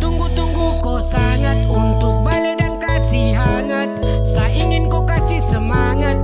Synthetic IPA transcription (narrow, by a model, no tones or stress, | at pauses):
t̪uŋɡut̪uŋɡukosaŋanunt̪ʊk̚baledaŋkasiɦaŋansaʔiŋɪnkokasihsəmaŋat̪̚